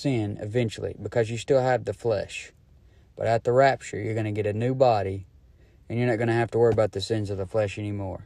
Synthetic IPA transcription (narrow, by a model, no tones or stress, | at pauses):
sɪ̃nɨ̰vɛ̃nt͡ʃl̩ˠḭbɨkʰʌzjɨstɪlˠəv̚ðɨflɛ̰ʃ | b̥ʌ̰ɾɨt̪̚ðəɹæp̚t͡ʃə̰˞jə˞ɡʌñɨɡɛɾɨnʉbɑɾi | ɨ̃njə˞nɨt̚ɡ̥ʌñɨhæftəwɜ˞iəbaʊt̪̚ðɨsɪ̃nzʌvðəflɛʃɛnimɔ̰ɹ